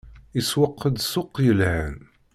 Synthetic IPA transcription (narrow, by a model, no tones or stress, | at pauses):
iswəqʰːəd̪sʊqːjəlhæn